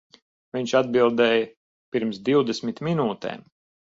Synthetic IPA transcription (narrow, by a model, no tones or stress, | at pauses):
viɲʃad̪bilˠd̪ɛːjɐ | piɾmsd̪iwd̪ɛsmʲit̪minuːt̪ɛ̰ːm